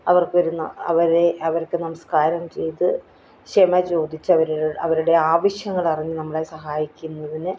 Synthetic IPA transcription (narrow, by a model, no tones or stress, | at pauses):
ɐʋɐrkɨʋɐɾunːɐ̰ɐʋɐɾeɐʋɐɾkːɨnɐmɐskaːɾɐmt͡ɕe̞jt̪ɨ | ɕemɐt͡ɕo̞ːd̪it͡ɕːɨɐʋɐɾuɐʋɐɾuɽe̞aːʋɐɕjɐŋːɐɭɐriɲːɨnɐmːɐɭesɐɦaːjikʲːunːɐðinɨ